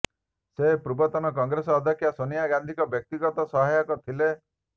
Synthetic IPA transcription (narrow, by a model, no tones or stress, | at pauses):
sepɾubɔt̪ɔnɔkɔŋɡɾesɔːd̪ʱɔkʰːjasonijaɡand̪ʱikɔbjɔk̚t̪iɡɔt̪ɔsɔɦajɔkɔt̪ʰile